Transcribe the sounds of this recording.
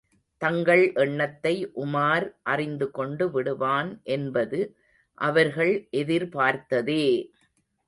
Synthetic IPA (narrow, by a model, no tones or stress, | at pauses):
t̪ɐŋɡɐɭʔɛɳːɐt̪ːɐɪʔʊmaːɾʔɐrɪnd̪ɯkɔɳɖɯʋɪɽɯʋaːnʔɛnbɐðɯ | ʔɐʋɐɾɣɐɭʔɛðɪɾpaːɾt̪ɐðeː